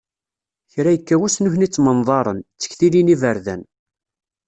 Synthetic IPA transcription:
çɾæjəkːæwæsnuçnit͡sːmənðˤɑɾˤənt͡sːə̥çθilinivəɾðæ̰n

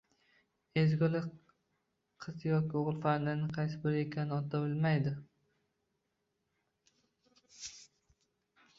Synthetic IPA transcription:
ezɡʲɒlɪ | qʰɨzjɒkʲoʁɨlˠfaɾd̪ɪnɪqʰɑjs̬ɪbɪɾekʲʰanɪɒt̪ʰabɪlmajd̪ɪ

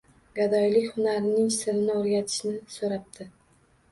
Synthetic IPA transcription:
ɡad̪ɒjlɪkʲhʊnaɾɪnɪŋsɪɾɪnɪoɾɡʲat̪ʰɪ̥ʃnɪsoɾap̚t̪ʰɪ

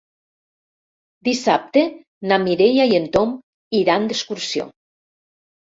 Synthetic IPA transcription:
d̪isap̚t̪e | namiɾejajent̪om | iɾand̪eskuɾsjo̰

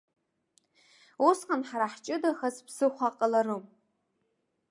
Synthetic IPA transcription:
usqʼanħaɾaħt͡ʃʼɨdaxaspʰsɨχʷaqʼəlarɨm

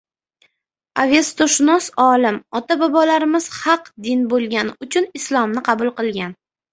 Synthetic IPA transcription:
ave̞st̪oʃɪnɒsɒlɪmɒt̪abɒbɒlaɾɪmɪz̥hɑqd̪ɪnbolˠɡʲanɪʊt͡ʃʰʊnɪslˠɒmnɪqʰɑbʊlˠqɨlˠɡʲan

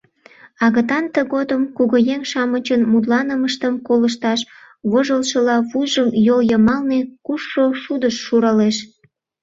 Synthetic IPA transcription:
ɑɣət̪ɑnt̪əɣod̪əmkuɣojeŋʃɑmət͡ɕənmud̪lɑnəməʃt̪əmkoləʃt̪ɑʃ | βoʒəlʃəlɑβujʒəmjoljəmɑlnekuʃːoʃud̪əʃːuɾɑleʃ

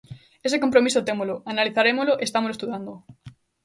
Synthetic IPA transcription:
es̬ekõmpɾomisot̪emoloanaliθaɾemoloʔest̪amoloest̪uðand̪o

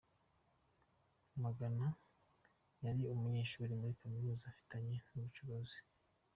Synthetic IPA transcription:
maɡana | jaɾiumuɲeːʃuːɾimɡuɾikʰamiɾuːzafi̥taɲe̞nuβut͡ʃuβozi̥

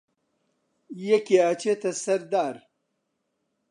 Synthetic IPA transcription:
jekeaːt͡ɕet̪ɐsɐɾd̪aːɾ

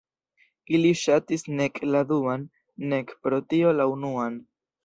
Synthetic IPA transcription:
iliʃatisne̞kʼladuanː | e̞kpɾo̞tio̞launuan

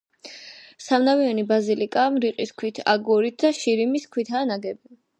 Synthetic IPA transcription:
samnavianibazilikʼaːmɾiqʼiskʰwit̪ʰa̰ɡɔɾit̪̚ʰd̪aʃiɾimiskʰwit̪ʰaːnaɡɛbi

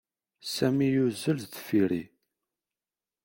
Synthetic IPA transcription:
sæmijuzəlðfiɾi

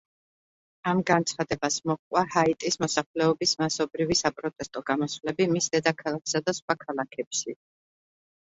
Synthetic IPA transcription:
amɡant̪sʰχad̪ɛbasmɔχkʼwahait̪ʼismɔsaχlɛɔbismasɔbɾivisapʼɾɔt̪ʼɛst̪ʼɔɡamɔsvlɛbimisd̪̥ɛd̪akʰalˠak̚ʰsad̪asχwakʰalˠakʰɛpʃi

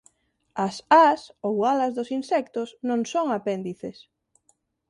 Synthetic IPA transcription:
asasowalɐzðʊsinsɛkt̪ʊsnõŋsoŋapɛnd̪iθes

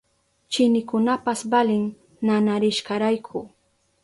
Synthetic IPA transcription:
t͡ʃɪnɪkʊnapasbalɪŋ | nanaɾɪʃɢɑɾajkʰʊ

